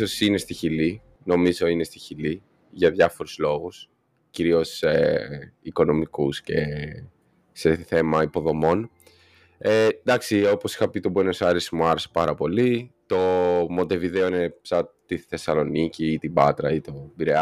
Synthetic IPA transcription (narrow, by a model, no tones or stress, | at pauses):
osine̞st̪içili | no̞mizo̞ine̞st̪içili | ʝɐðʝɐfo̞ɾuz̥lo̞ɣus | ciɾio̞seiko̞no̞mikusce̞̰ | se̞θe̞mɐipo̞ðo̞mo̞n | ed̪ɐksio̞po̞si̥xɐpit̪obwenosɐɾesmuɐɾese̥pɐɾɐpo̞lit̪o̞mo̞nt̪e̞viðe̞oinepsɐt̪iθe̞sɐlo̞niciːt̪ibɐt̪ɾɐit̪o̞biɾe